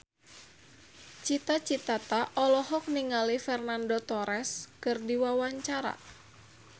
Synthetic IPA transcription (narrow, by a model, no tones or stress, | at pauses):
t͡ʃit̪at͡ʃit̪at̪aʔɔlɔɦɔk̚niŋalifɛrnandot̪ɔɾɛskɨrdiwawaɲt͡ʃaɾa̰